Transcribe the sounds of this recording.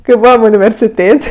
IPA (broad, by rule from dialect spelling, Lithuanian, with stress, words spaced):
kɐɪ ˈbuːʋɐm ʊnʲɪʋʲɛrʲsʲɪˈtʲeːtʲ